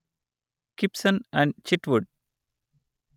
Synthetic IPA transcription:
kɪpsə̃næ̃ɳɖt͡ʃiʈʋuɖ̚

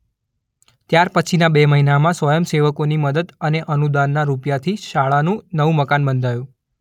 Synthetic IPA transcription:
t̪jaɾpət͡ʃʰinabeməɦinamãsʋəjəmseʋəkoniməd̪əd̪əneʔənud̪anːaɾupjat̪ʰiʃaɭanũnəʋũməkanbənd̪ʱajũ

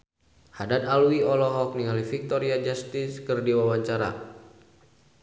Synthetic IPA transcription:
hadat̪alwiɔlɔɦɔk̚niŋalifik̚t̪ɔɾiad͡ʒast̪iskərdiwawaɲt͡ʃaɾa̰

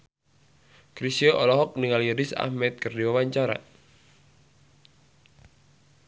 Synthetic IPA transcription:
kɾisioʔɔlɔɦɔk̚niŋaliɾɪsa̰hmɛt̪̚kərdiwawaɲt͡ʃaɾa̰

